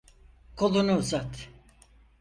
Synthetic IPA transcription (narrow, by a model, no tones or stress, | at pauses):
kʰolˠunuːzat̪